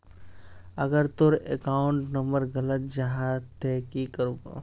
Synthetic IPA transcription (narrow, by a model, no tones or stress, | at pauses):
əɡəɾt̪oɾekaːʊ̃ɳʈnəmbəɾɡələt̪̚d͡ʒaɦat̪ekikəɾ